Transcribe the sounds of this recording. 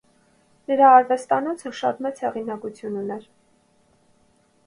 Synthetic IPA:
nəɾɑːɾvɛst̪ɑnɔt͡sʰəʃɑ̰t̪mɛt͡shɛʁinɑkut͡sʰjununɛɾ

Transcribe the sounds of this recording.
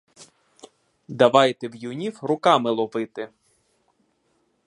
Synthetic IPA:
d̪ɐʋɑjt̪ewjʊnʲiwɾʊkɑmɪlˠɔʋɪt̪ɪ

